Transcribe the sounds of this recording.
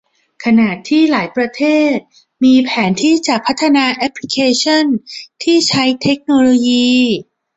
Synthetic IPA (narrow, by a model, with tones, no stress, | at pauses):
kʰa˧naː˨˩t̪ʰːiː˥˩laː˩˦jpɾa˧t̪ʰeː˥˩t̪̚ | miː˧pʰɛː˩˦nt̪ʰiː˥˩t͡ɕa˨˩k̚pʰa˦˥t̪ʰːa˧naː˧ʔɛ˦˥pʰli˦˥kʰeː˧t͡ɕʰo˥˩nt̪ʰiː˥˩t͡ɕʰa˦˥jt̪ʰe˦˥k̚noː˧loː˧jiː˧